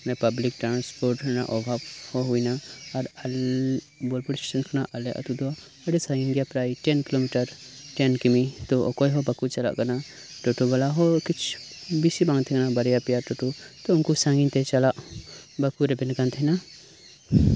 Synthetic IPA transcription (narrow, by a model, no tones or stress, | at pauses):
nɛpɐblik̚ʈɾanspoɾʈna̰ʔɔbʱabhɔɦujnaːɾɐl | bɔlpɔɽsʈe̥sɐnkʰɔnaʔɐlɛʔɐ̰t̪ud̪ua | ɐɽesãŋɡinɡijapɾajʈɛnkilomiʈɐɾʈɛnkimit̪ɔɔ̰kɔjɦɔbɐkut͡ʃɐla̰ʔkana | ʈɔʈubalaɦɔkit͡ʃʰbisibãŋt̪ʰɛɡnabɐɾjapijaʈɔʈut̪ɔʊnkusaŋɡiɲt̪ɛt͡ʃalaʔbɐkuɾɛbɛnkant̪ʰɛna